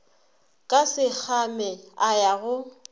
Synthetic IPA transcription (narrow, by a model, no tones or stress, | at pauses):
kʼasɪk͡xʰamɛajaɣʊ